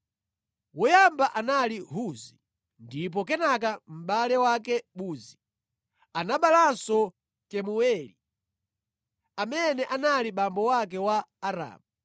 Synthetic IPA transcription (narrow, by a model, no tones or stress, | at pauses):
wɔjambaʔanaliɦuzi | ndip̬ɔk̬ɛnakam̩ɓalɛwakɛɓuːzi | anaɓalansɔ | kɛmuwɛːlḭ | amɛnɛʔanaliɓambɔwak̬ɛwaːɾa̰ːmu